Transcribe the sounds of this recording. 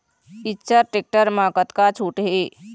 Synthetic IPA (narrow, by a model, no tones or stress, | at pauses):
itːt͡ʃəɾʈek̚ʈəɾmaːkət̪kat͡ʃʰuʈɦe